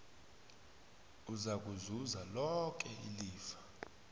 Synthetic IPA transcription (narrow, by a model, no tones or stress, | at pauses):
uzak̬ʼuzuzalɔk̬ʼɛiliːfḁ